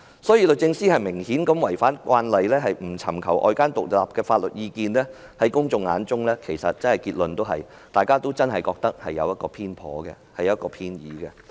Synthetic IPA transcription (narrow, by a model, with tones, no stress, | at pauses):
sɔː˨˥jiː˨˧lɵ˨t͡sɪ˧ŋsiː˥hɐ˨jmɪ˨˩ŋhiː˨˥nkɐ˨˧mwɐ˨˩jfaː˥nkʷwaː˧nlɐ˨jlɛː˥ɦɐ˨jm̩˨˩t͡sʰɐ˨˩mkʰɐ˨˩wʔɔ̰ː˨˧jkaː˥nt̪ʊ˨k̚laː˨p̚kɛː˧faː˧t̚lɵ˨t̚jiː˧kiː˨nlɛː˥ | hɐ˨˥jkʊ˥ŋt͡sʊ˧ŋːa̰ː˨˥nt͡sʊ˥ŋlɛː˥kʰe˨˩jsɐ˨t̚t͡sɐ˥nhɐ˨jkiː˧t̚lɵ˨nt̪o˥wɦɐ̰˨j | t̪aː˨jkaː˥t̪o˥wt͡sɐ˥nɦɐ˨jkɔː˧k̚t̪ɐ˥k̚hɐ̰˨jːɐ̰˨˧wjɐ˥t̚kɔː˧pʰiː˥npʰɔ̰ː˨˥ɡɛ̰˧hɐ˨jɐ˥t̚kɔː˧pʰiː˥njiː˨˥ɡɛ˧